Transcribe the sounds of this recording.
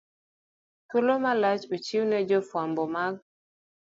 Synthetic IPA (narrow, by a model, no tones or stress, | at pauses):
tolomalat͡ʃot͡ʃiwnɛd͡ʒɔfwambɔmaɡ̚